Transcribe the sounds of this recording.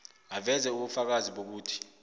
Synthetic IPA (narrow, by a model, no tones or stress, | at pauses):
avɛzɛuɓufak̬aziɓok̬uːtʰi̥